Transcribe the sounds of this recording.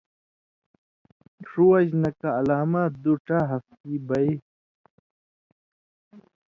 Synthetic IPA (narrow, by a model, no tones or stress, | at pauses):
ʂuwɐʑnɐkaːlaːmad̪uʈaɦɐft̪ibɐj